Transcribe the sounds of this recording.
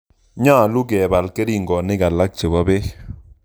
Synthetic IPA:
ɲa˦˨lu˦kɛ˨ba˨lkɛ˦ɾi˦˨ŋɡɔ˨nɪ˦ka˨la˦k̚t͡ʃe˨ba˦be˦

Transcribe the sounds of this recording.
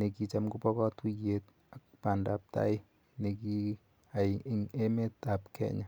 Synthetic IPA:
ne˨ki˦t͡ʃa˦mɡu˦pɔ˦kɔ˦tu˦je˦t | akpa˨nda˨p̚ta̰˦ɪ˦ | ne˨ki˦ | aŋe˦me˦ta˨pkʰɛ̰˦ɲa˨

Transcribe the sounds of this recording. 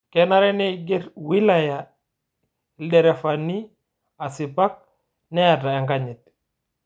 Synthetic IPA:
kɛna˦ɾɛ˦nɛɡɛɾwi˦laja˨ | ɗɛ˨ɾɛ˨fa˨ni˦ | a˨si˨pa˦k̚ | nɛ˦ja˨ta˨ɛ˨ŋɡa˦ɲi˨t̚

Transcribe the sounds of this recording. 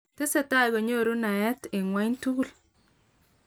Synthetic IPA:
tɪ˦sɛ˨ta˦˨ɡo˨ɲo˦˨ɾu˦na˨ɛ˦tɪ˨ŋwa˦ɲtu˦˨l

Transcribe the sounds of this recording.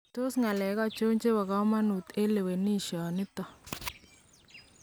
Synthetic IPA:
to˦sŋa˨lɛ˨˦ɣɔ˦˨t͡ʃo˦ɲt͡ʃe˦wa˨ɣa˦ma˦nu˨t̪e˦le˨we˨ni˦˨ʃɔ˨nɪ˦t̪ɔ˨

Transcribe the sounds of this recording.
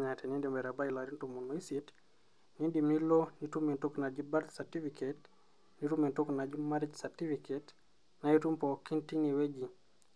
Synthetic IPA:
ɲa˨tɛ˨ni˦ndimbɛ˨ɾa˨ba˦i˨la˨ɾi˦ntu˨mu˨no˨i˦sit | ni˦ndimi˦lo˦ni˨tu˦mi˨ntukna˨d͡ʒiba˦tsaɾti˦fiket | ni˦tu˦mi˨ntu˦kna˨d͡ʒima˦ɾi˦d͡ʒsati˦fiket | na˨i˦tu˦mpɔki˦ntini˨we˦ɡi˨

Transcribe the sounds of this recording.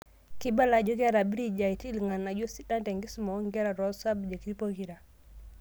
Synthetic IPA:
ki˦ba˦la˨d͡ʒɔ˦ɡɛ˦ɾa˨bi˦ɾi˦d͡ʒa˨i˨ti˦lŋa˨na˨d͡ʒo˦si˦ta˦ntɛ˨ŋɡi˦smɔ˨˦ŋɡɛ˦ɾa˨ɾɔ˦sa˦bd͡ʒa˨ki˨ɾi˦po˦ki˨ɾa˨

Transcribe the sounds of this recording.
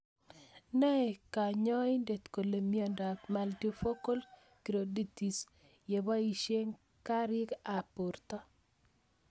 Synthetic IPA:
nɛ˦ɛ˨ka˨ɲɔ˦i˦nde˨t̪ko˨le˨mjɔ˨nda˨kma˨lti˦fo˦ko˦l | ki˨ɾo˨di˦˨ti˨s | je˨ba˦i˨ʃe˦ŋ | ka˦ɾɪ˦ka˨pu˨rt̪ɔ˦

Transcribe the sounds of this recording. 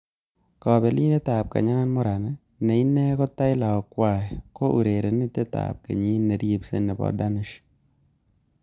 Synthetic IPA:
kɔ˨bɛ˨li˦ne˦ta˨p̚ka̰˨ɲa˦nmɔ˦ɾa˨na˦ | nɛ˨i˦nːɛ˦kɔ˦ta˦ɪ˦la˨ɔ˨kwa˦˨ɛ˨ko˦ʔu˨ɾe˨ɾe˨nɪ˦te˦ta̰˨p̚kḛ˨ɲi˦nːe˨ɾje˦psḛ˦nɛ˨bɔ̰˦da˦nɪ˦ʃ

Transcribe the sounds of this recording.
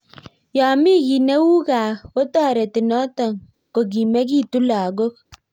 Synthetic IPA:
jɔ˨mi˦ki˨ne˦wu˦ka˨ko˦tɔ˦˨ɾe˨ti˨nɔ˦tɔ˨ŋ | ko˨k̬i˨me˦k̬i˦tu˦la˨ɡo˦k̚

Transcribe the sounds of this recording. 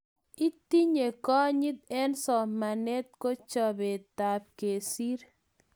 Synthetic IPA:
i˦t̪i˦ɲe˨kɔ˦ɲɪ˦t̪̚ɛ˦nsɔ˨ma˨nɛ˦t̪̚ko˦t͡ʃɔ˨be˨t̪a˨p̚ke˨si˦ɾ

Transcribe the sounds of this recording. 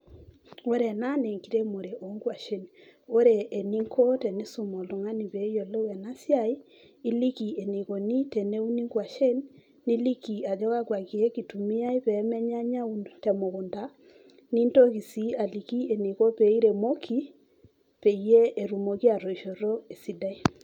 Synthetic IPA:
o˦ɾe˨na˦ne˨ŋki˦ɾe˦mo˨ɾe˨ʔo˨˦ŋɡwa˨ʃe˦no˦ɾe˨ʔːni˦ŋkʰo˦tɛ˨ne˦so˨mo˨lo˨ŋa˦ni˨βe˨˦jo˨le˦wɛ˨na˦sja˦i˦ | i˦li˦ki˨e˨ne˨ko˨ni˦tɛ˨ne˦u˦ni˦ŋɡwa˨ʃe˦nː | i˦li˦ki˨a˨d͡ʒɔ˦ɣa˦kwa˨ki˨e˦ki˨tu˨mi˦a˦i˦pɛ˨˦mɛ˦ɲa˦ɲa˦u˨ntɛ˨mo˨ɣo˨nda˦ | ni˦nto˦ki˨si˦a˨li˨ki˦e˨ni˨ko˦pe˨˦i˦ɾe˨mo˦kʰi˦ | pe˨i˦je˦e˨ɾu˨mo˨ki˦a˨ɾo˨i˨ʃo˨ɾo˦e˨si˦da˦i˦

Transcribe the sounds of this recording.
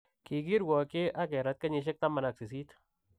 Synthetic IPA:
ki˨k̬i˦ɾwɔ˨kɪ˦ʔa˦kɛ˨ɾa˦t̪̚ka˦ɲɪ˧ʃ̬ɪ˦k̚ta˦ma˨na˨ksi˨s̬i˦t

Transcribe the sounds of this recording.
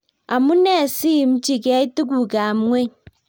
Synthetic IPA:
a˨mu˦ne˦˨si˦˨m̩˦t͡ʃi˦ke˦i˦ti˦k̬u˨ka˨m˦ŋʷe˦˨ɲ

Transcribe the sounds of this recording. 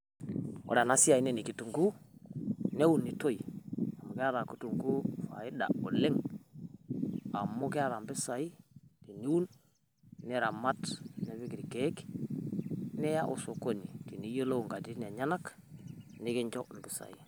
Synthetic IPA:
o̰˨ɾa˨na˦si˦a˨i˦ne˦˨ni˨ki˨tu˨ŋɡu˦ | ne˦wu˨nːi˨to˦i˨a˨mu˨ke˦a˦ɾa˨ku˦tu˨ŋɡu˦fa̰˨i˦da̰˨o˨le˦ŋ | a˨mu˦ke˦a˦ɾa˨mbɪ˦sa˨i˦ti˨ni˦wu˦n | ni˦ɾa˨ma˦tne˨βi˦ki˨ɾi˨ke˦k | nɛ˦ja˦ʔo̰˨so˨ko˦ni˨ti˨ni˦jo˦lo˦u˨ŋɡa˨di˦n˨e˨ɲa˦na˦k | ni˦ki˦ɲd͡ʒo˦m̩˨bɪ˦sa̰˨ḭ˨

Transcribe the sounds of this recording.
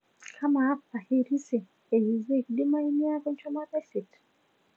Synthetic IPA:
kʰa˦maː˨˦pːa˨he˦ɾi˦se˨ | e˨ji˨ze˦˨ki˨di˦ma˦i˦ni˦a˦ko˦ɲt͡ʃɔ˦ma˦ka˦se˨t

